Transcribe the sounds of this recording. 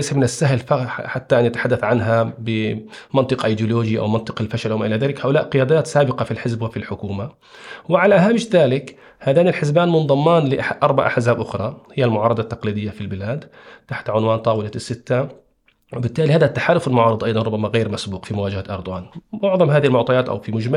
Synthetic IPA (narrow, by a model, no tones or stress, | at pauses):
ajsamɪnɪsːaɦlfaħat̪ːaʔanjat̪ḁħad̪ːaθʕanɦabɪmɑnt̪ˤɨqʔajd̪jʊloːd͡ʒiʔa̰wmɑnt̪ˤɨ̥qɪlfaʃalʔwmaʔɪlaðaːlɪkhaːʔʊlaːʔqɪjaːd̪aːt̪saːbɪqɑfilħɪzbwɪfilħʊkuːma | wɪʕalaʔɦaːmɪʃðaːlɪk | haːðaːnɪlħɪzbaːnmʊnðˤɑmːɑːnlɪʔaħad̪ʔɑɾˤba̰ʕʔa̰ħzaːbʔʊxɾˤɑhɪjːalmʊʕɑːɾˤɑd̪ˤɑt̪ːɑqliːd̪ɪjːafilbɪlaːd̪ | t̪aħt̪ʕʊnwaːnt̪ˤɑːwɪlasːɪt̪ːa | wɪbɪt̪ːaːlihaːðat̪ːaħaːlʊfɪlmʊʕɑːɾˤɨd̪ˤʔɑjd̪ˤɑnɾˤʊbːamaɣeːɾmasbuːqfimʊwaːd͡ʒahaʔɑɾˤd̪ˤʊwaːnmʊʕðˤɑmhaːðɪhɪlmʊʕt̪ˤɑjaːt̪ʔa̰wfimʊd͡ʒma